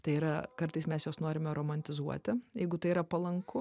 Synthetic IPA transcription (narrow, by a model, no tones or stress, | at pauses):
t̪ɐɪiːɾɐkɐɾt̪ɐɪsmʲɛsjoːsnoːɾʲɪmʲɛɾoːmɐnʲt̪ʲɪzuɔ̰t̪ʲɪjɛɪɡʊt̪ɐɪiɾɐpɐlˠɐŋkʊ